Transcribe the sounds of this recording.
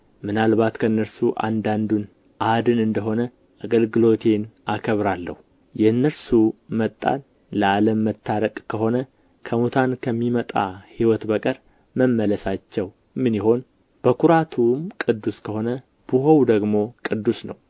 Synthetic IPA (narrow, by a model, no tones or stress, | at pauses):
mɨnalbat̪kʰəɨnːəɾsuʔa̰nd̪and̪un | ʔad̪ɨnɨnd̪əɦo̞nə | ʔaɡəlɡɨlo̞t̪ʰe̞nakʰəβɾalːə̰hu | jɛɨnːəɾsumət̪ʼːa̰n | ləaləmːət̪ʰːaɾəkʼkʰəɦo̞nə | kʰəmut̪ʰankʰəmːimət̪ʼa̰hiwɔt̪bəkʼəɾ | məmːələsat͡ʃːɛw | mɨniho̞n | b̥əkʰuɾat̪ʰumkʼɨd̪ːuskʰəho̞nə | b̥uɦowd̪əɡmo̞kʼɨd̪ːusnə̰w